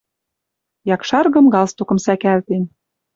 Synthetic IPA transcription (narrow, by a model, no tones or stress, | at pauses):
jɑkʃɑrɣɤ̆mɣɑlst̪okɤ̆msækælt̪en